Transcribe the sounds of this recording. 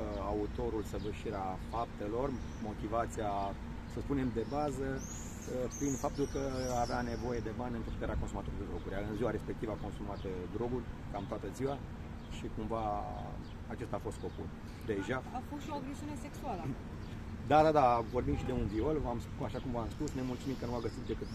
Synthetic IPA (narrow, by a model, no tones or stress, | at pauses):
aut̪o̞ɾulsəvəʃiɾeafap̚t̪e̞lo̞r | mo̞t̪ivat̪sia | səspune̞md̪e̞bazə | pɾinfap̚t̪ulkəaveane̞vo̞je̞d̪e̞banʲɨnt̪ɾupuk̪t̪eɾakonsumat̪o̞ɾuid̪ed̪ɾo̞ɡuɾʲaɨnziwaɾe̞spekt̪ivəako̞nsumat̪d̪ɾo̞ɡurʲkamt̪oat̪əziwa | ʃikumva | at͡ʃe̞st̪aːfo̞st̪̚ko̞pul | d̪e̞ʒaafosʃioaɡɾesiune̞seksualə | d̪ad̪ad̪avo̞rbimʃid̪e̞unvio̞lamspaʃakumvamspusne̞mult̪sumimkənuaɡəsit̪̚d̪e̞kɨt̪